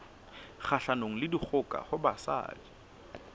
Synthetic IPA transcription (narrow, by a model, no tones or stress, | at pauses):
χaɬanoŋ̩lɪdik͡xʰʊkʼa̰hʊbasa̰ːdi̥